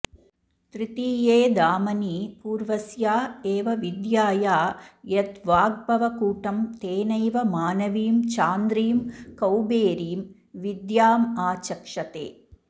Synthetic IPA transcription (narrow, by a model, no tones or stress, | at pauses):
t̪ɾɪt̪iːjeːd̪aːmɐniːpuːɾʋɐsjaːeːʋɐʋɪd̪jaːjaːjɐt̪ʋaːɡ̚bɐʋɐkuːʈːɐmt̪eːnɐjʋɐmaːnɐʋijmt͡ʃaːnd̪ɾijmkɐwbeːɾijm | ʋɪd̪jaːmaːt͡ʃɐkʂɐt̪ḛː